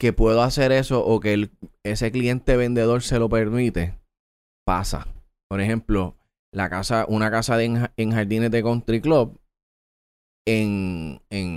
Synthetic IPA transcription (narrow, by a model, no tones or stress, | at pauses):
ke̞pwe̞ðoase̞ɾe̞so̞ʔoke̞lese̞klie̞nt̪eβẽ̞nd̪e̞ðo̞ɾse̞lo̞pe̞ɾmĩt̪e̞ | pa̰sa̰ | po̞ɾe̞hẽ̞mplo̞ | lakasaʔunakasaðeŋeŋhaɾðinet̪eko̞nt̪ɾiklop̚ | eŋeŋ